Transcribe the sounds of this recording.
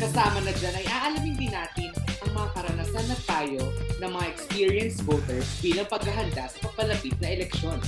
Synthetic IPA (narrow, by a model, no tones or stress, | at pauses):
kɐsaːmɐnɐd͡ʒanɐjʔaːʔɐlamɪnd̪ɪnaːt̪ɪnʔɐŋmɐŋapɐɾɐnɐsanːɐt̪aːjo̞nɐŋmɐŋaʔɛkspiɹjɐnsvoːt̪ɛɹsbiːlɐŋpɐɡ̚ɐɦɐnd̪asɐpɐɡ̚pɐlɐpit̪̚nɐʔɛlɛk̚ʃo̞n